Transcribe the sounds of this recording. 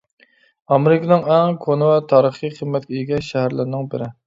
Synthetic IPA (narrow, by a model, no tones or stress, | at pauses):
ɑmeɾɪkʰənɪŋɛŋkʰonɨwɛt̪ʰɑːɾəχijχʰəmːɛt̪̚kʲeiɡʲɛʃʃɛhæɾlɪɾnɪŋbɪɾɪ